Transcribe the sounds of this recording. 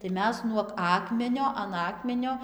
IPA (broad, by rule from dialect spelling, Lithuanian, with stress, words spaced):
tɐɪ ˈmʲɛs nuɔk ˈɑːkmʲɛnʲoː ɐn ˈɑːkmʲɛnʲoː